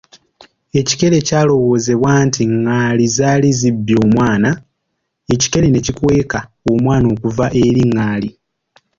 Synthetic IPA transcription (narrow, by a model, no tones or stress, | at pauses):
e̞ci̥ke̞ɾe̞caːlo̞wo̞ːze̞βwaːntiŋːaːlizaːlizibːjo̞ːmwaːna | e̞ci̥ke̞lene̞cikwe̞ːkaomwaːno̞ːkuvaʔe̞ɾiŋːaːli